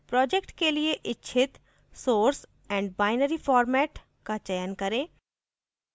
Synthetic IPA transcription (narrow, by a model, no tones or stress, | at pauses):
pɾɔːd͡ʒekʈkelieʔɪtːʃʰɪt̪ | soːɾs | ɛ̃ːɳɖ̚baːɪnəɾifʰɔːɾmɛːʈ | kat͡ʃəjənkɐɾẽː